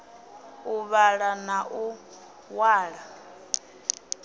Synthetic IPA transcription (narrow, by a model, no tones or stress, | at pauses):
uβaɺanaʔu | waːɺa